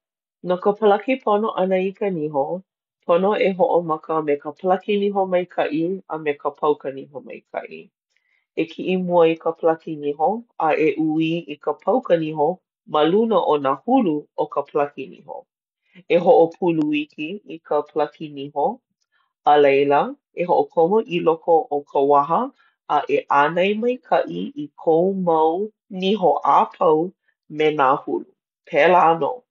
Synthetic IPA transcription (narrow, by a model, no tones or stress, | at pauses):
nokəpəlɐkipʰonoʔɐnəikəniɦo | pʰonoeɦoʔomɐkəmekəpəlɐkiniɦomɐjkʰɐʔiɐmekəpʰɐwkəniɦomɐ̰jkʰɐ̰ʔḭ | ekʰiʔimuəikəpəlɐkiniɦoɐʔeʔuiikəpʰɐwkəniho | mɐlunəʔonahuluokəpʰlɐkinḭho̰ | eɦoʔopʰuluikiːkəpʰlɐkiniɦo | ɐlejlə | eɦoʔokʰomoʔilokoʔokʰəwaɦə | ɐʔeʔanɐjmɐjkʰɐʔiikʰowmɐw | niɦoʔapʰɐw | menahulu | pʰɛlaano̰